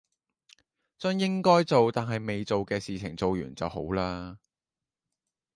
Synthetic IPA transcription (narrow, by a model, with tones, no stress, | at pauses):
t͡sɵ˥njɪ˥ŋkɔː˥jt͡so˨wt̪aː˨nɦɐ˨jme˨jt͡so˨wkɛː˧siː˨t͡sʰɪ̰˨˩ŋt͡so˨wjyː˨˩nt͡sɐ˨who̰˨˥wlaː˥